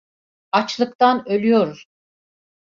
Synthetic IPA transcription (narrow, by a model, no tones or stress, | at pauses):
at͡ʃlˠɯkt̪anø̞lʲyjoɾuz̥